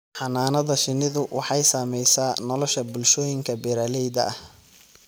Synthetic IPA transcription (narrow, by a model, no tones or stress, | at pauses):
ħɑnaːnɐðɐʃɪnːɪðʊwɑħɑjsaːmɛjsaːnɔlɔʃɐbʊlʃɔːjɪŋkʰɐbɛɾaːlɛjðɐ̰ɐh